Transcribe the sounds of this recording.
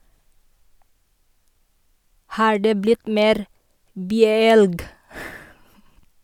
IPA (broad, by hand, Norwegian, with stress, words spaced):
ˈhɑːɹ ˈdeː ˈblɪt ˈmeːɾ ˈbyːəˌɛlɡ